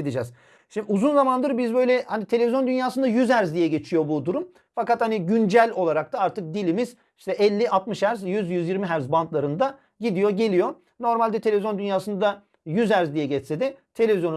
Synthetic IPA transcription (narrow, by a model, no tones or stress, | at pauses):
d̪id͡ʒɛz | ʃimuzunzamand̪ɯɾbizbø̞jlʲɛhanit̪ʰelʲevʲizjo̞nd̪ynjaːsɯnd̪ajyzæɾzd̪ijɛɟe̞t͡ʃʰijo̞bud̪uɾum | fakat̪haniɟynd͡ʒælʲo̞lˠaɾak̚t̪ʰaaɾt̪ʰɯk̚d̪ilʲimiz̥ | i̥ʃt̪ʰɛʔɛlʲːiʔat̪mɯʃæɾzjyzjyzjiɾmiɦæɾzbant̪lˠaɾɯnd̪a | ɟid̪ijo̞ɟe̞lʲijo̞ | no̞ɾmalʲd̪ɛt̪ʰe̞lʲevizjond̪ynjaːsɯnad̪a | jyzæɾzd̪ijɛɟɛt͡ʃsed̪ɛt̪ʰe̞lʲe̞vizjon